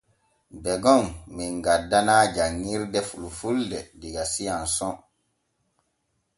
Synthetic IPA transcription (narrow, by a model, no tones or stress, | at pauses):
bɛɡɔmmiŋɡadːanaːd͡ʒaŋːiɾdɛfulufuldɛdiɡasijansɔ